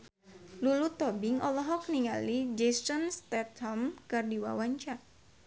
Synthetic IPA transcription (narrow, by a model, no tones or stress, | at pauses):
lulut̪ɔbiŋɔlɔɦɔk̚niŋalid͡ʒɛsɔnst̪ɛt̪hɔmkɨrdiwa̰waɲt͡ʃa